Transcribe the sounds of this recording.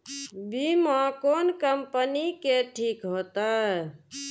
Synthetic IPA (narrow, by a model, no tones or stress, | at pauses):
bimãkonkəmpənikeʈʰikɦot̪ə